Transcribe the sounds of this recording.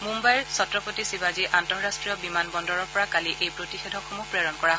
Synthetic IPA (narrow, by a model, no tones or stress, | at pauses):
mumbajɹsɔtɹɔpotisibaziʔantɔɹɹastɹijɔbimanbɔndɔɹɔɹpɔɹakaliʔejbɹotixɛdʱɔxomupɹeɹɔnkɔɹa